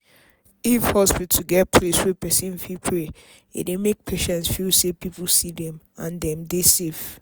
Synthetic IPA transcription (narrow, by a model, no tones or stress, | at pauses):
ifhɔspitʰuɡɛt̚pʰleswɛpɛsĩnfilpʰɹe | ḛdemek̚pʰeʃɛ̃nsfilsepipulsidɛ̃m | ãndɛ̃mdesef